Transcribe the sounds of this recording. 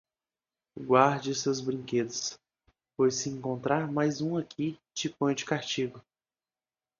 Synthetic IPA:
ɡwaɾd͡ʒɪsezbɾĩŋked̪ɐs | pojsɪẽŋkõnt̪ɾaɾmajzũakʰit͡ʃɪpõj̃d͡ʒɪkaɾt͡ʃiɡʊ

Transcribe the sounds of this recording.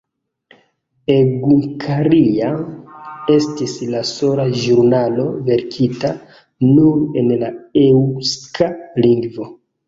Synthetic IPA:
eɡuŋkʰaɾia | e̞stislaso̞laʒuɾnalo̞ve̞ɾkʰita | nuɾe̞nlaewskʰaliŋɡvo̞

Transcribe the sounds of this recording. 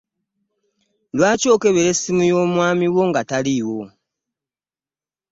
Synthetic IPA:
lwaːco̞ːke̞βeɾe̞sːimujo̞ːmwaːmiwo̞ŋɡataliwo̞

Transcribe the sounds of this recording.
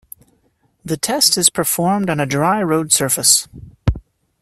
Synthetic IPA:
ðɨtʰɛstɨz̥pʰə˞fɔɹmdn̩ɨdɹaɪɹoʊd̥sɜ˞fɨs

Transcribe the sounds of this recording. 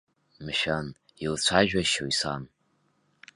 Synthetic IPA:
mʃᶣan | ilt͡ɕʷʰaʒᶣaʃojsan

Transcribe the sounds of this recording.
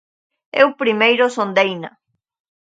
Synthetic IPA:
ewpɾimejɾosond̪ejna

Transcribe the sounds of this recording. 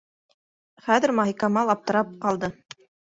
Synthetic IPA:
χæðɘ̆ɾmɑɦikɑmɑlˠɑp̚t̪ɤ̆ɾɑp̚qɑlˠd̪ɤ

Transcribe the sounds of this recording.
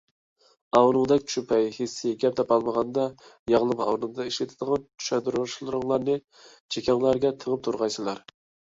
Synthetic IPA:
ɑwnɨŋd̪ɛkʲt͡ʃʃʰupʰɛjhesːɪɡʲɛp̚t̪ʰɛpɑlˠməʁɑnd̪ɑ | jɑʁlˠɨmɑ̰wnɨŋd̪ɑiʃlɪt̪ʰɪd̪əʁɑnt͡ʃʰy̥ʃɛd̪uɾʃlˠɨɾʊŋlˠɑɾnɨ | t͡ʃʰekʲʰɑŋlˠɑɾɡʲɛt̪ʰəʁəp̚t̪ʰuɾʁɑjsɨlˠɑɾ

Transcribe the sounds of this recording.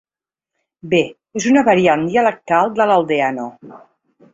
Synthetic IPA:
be | ezunəβəɾiand̪iələk̚t̪alˠd̪ələlˠd̪eano

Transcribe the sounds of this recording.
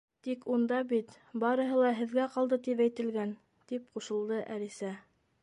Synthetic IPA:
t̪ikund̪ɑbit̪ | bɑɾɤ̆ɦɤlˠɑɦɘ̆ðɡæqɑlˠd̪ɤt̪ipæjt̪ɘ̆lɡæn | t̪ipquʃɤ̆lˠd̪ɤʔælisæ

